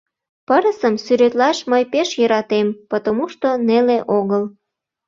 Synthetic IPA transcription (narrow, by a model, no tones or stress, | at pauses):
pəɾəsəmsyɾøt̪lɑʃməjpeʃjəɾɑt̪empot̪omuʃt̪oneleʔoɣəl